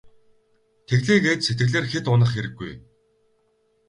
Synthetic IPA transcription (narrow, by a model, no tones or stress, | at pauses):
t̪ʰeɣɮeːɡeːt̪set̪̚ɡɘ̆ɣɮeːrxet̪ʊnə̆χeɾɘ̆ɡːṵj